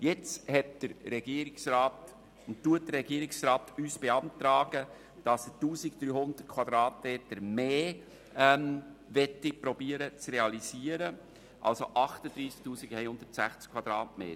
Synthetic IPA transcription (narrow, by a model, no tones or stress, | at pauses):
jɪt͡shɛtd̥əɾɾɛɡ̥iːəɾɪksɾaːt | ʊnttuət̚dəɾːɛɡiəɾɪksɾaːtyːsb̥eɑnt̪ɾaːɡə | d̥ɑsətuːsɪkd̥̪ɾyːhʊnd̪̥ərt̚kʰwɑd̥̪ɾɑːtmeːtəɾmeː | ɛmʋɛtːipɾɔbiəɾət͡sɾeɑlisiːəɾə | ʔɑ̰lsoʔɑχtəd̪ɾiːsk̚tuːsiɡɛjhʊnd̪ətsæχt͡skʰvwɑd̥̪ɾɑːtmḛː